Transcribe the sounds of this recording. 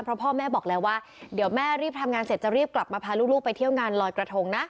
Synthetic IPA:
pʰɾɔ˦˥pʰɔː˥˩mɛː˥˩bɔː˨˩k̚lɛː˦˧˥waː˥˩ | di˨˩˦əwmɛː˥˩ɾiː˥˩p̚t̪ʰa˧mŋaː˧nse˨˩t̪̚t͡ɕa˨˩ɾiː˥˩p̚kla˨˩p̚maː˧pʰaː˧luː˥˩luː˥˩pa˧jt̪ʰi˥˩əwŋaː˧nlɔː˧jkɾa˧t̪ʰo˧ŋna˦˥ʔ

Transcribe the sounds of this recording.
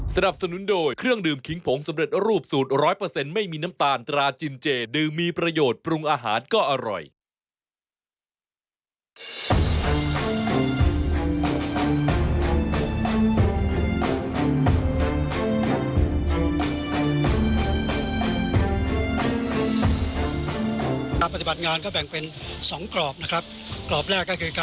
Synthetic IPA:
sa˧na˨˩p̚sa˧nu˩˦ndoː˧jkʰɾɯ˥˩əŋdɯː˨˩mkʰi˨˦ŋpʰo˨˩˦ŋsa˨˩˦mɾe˨˩t̪̚ɾuː˥˩p̚suː˨˩t̪̚ɾɔː˦˥jpɤː˧se˧nma˥˩jmiː˧na˦˥mt̪aː˧nt̪ɾaː˧t͡ɕi˧nt͡ɕeː˧dɯː˧mːiː˧pɾa˧joː˨˩t̪̚pɾu˧ŋʔaː˧ɦa̰ː˩˦nkɔː˥˩ʔa˧ɾɔ̰˨˩j | a˧npa˧t̪i˨˩ba˨˩t̪̚ŋaː˧nkɔː˥˩bɛ˨˩ŋpe˧n | sɔ˩˦ŋklɔː˨˩p̚na˦˥kʰɾa˦˥p̚ | klɔː˨˩p̚ɾɛː˥˩kːɔː˥˩kʰɯː˧ka˧

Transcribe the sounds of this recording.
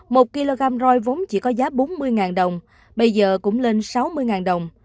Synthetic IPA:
mo˨˩t̚ki˧lo˧ɣaː˧mzɔ˧jvo˨˦ŋ͡mt͡ɕḭ˧˩kɔ˨˦zaː˨˦ɓo˨˦nmɨ˧əjŋaː˨˩nɗə˨˩wŋ͡m | ɓə˧jzəː˨˩kʊ̰˧˥ŋ͡mle˧nsa˨˦wmɨ˧əjŋaː˨˩nɗə˨˩wŋ͡m

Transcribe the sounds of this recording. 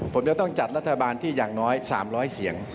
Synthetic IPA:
pʰo˩˦mt͡ɕa˧t̪ɔ˥˩ŋt͡ɕa˨˩t̪̚ɾa˦˥t̪ʰːa˧baː˧nt̪ʰiː˥˩jaː˨˩ŋnɔː˦˥jsa̰ː˩˦mɾɔː˦˥jsi˨˩˦əŋ

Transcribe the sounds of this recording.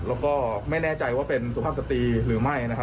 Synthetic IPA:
lɛː˦˥wkɔː˥˩ma˥˩jnɛː˥˩t͡ɕa˧jwaː˥˩pe˧nsu˨˩pʰaː˥˩sa˧˩t̪iː˧ɾɯː˩˦ma˥˩jna˦˥kʰ

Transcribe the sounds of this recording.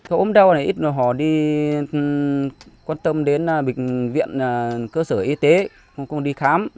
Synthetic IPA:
kaː˨˦jʔo˨˦mɗa˧wna˨˩jʔi˦˥t̚zo˨˩jɦɔ̰˧˩ɗi˧ | kwaː˧nt̪ə˧mɗe˨˦nː˨˩ɓï˨˩vḭ˧˨ənaː˨˩kəː˧səː˧˩ʔi˧t̪e˨˦˧ | kŋ͡mɗi˧xaː˨˦m

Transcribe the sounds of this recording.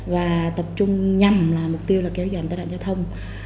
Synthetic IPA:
vaː˨˩t̪ə˨˩p̚t͡ɕʊ˧ŋ͡mɲa˨˩mlaː˨˩mʊ˨˩k͡p̚t̪i˧əwlaː˨˩kɛ˨˦wzɔ˧˩jnaː˧ja̰ː˧˨zaː˧wt̪ʰə˧wŋ͡m

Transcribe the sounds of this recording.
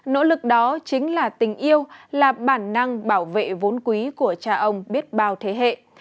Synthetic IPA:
no̰˧˥lɨ˨˩k̚ɗɔ˨˦t͡ɕï˨˦ŋ̟laː˨˩t̪ï˨˩ŋ̟ʔi˧əwlaː˨˩ɓaː˧˩nːa˧ŋɓaː˧˩wvḛ˧˨vo˨˦nkwi˨˦ku˧˩ət͡ɕaː˧ʔə˧wŋ͡mɓi˦˥ət̚ɓaː˧wt̪ʰe˨˦ɦḛ˧˨

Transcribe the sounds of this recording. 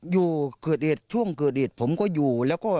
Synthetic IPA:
zu˨˩kɨ˨˩ət̚ɗi˨˩t̚t͡ɕʰu˧əŋkɨ˨ət̚ɗi˨˩t̚fə˨˧˦wŋ͡mkɔ˧˦zu˨˩lɛ˨˦wkɔ˧˦

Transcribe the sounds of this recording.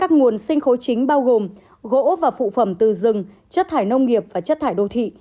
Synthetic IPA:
kaː˦˥k̚ŋu˨˩ənsï˧ŋ̟xo˨˦t͡ɕï˨˦ŋ̟ɓaː˧wɣo˨˩m | ɣo̰˧˥vaː˨˩fṵ˧˨fə˧˩mt̪ɨ˨˩zɨ˨˩ŋ | t͡ɕə˦˥t̚t̪ʰaː˧˩jnə˧wŋ͡mŋi˨˩əp̚vaː˨˩t͡ɕə˦˥t̪ʰaː˧˩jɗo˧˩t̪ʰḭ˧˨

